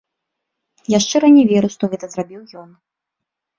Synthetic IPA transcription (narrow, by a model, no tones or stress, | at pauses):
jaʂt͡ʂɛɾɐnʲɛvʲɛɾuʂt̪ɔɣɛt̪ɐzɾabʲiwjɔn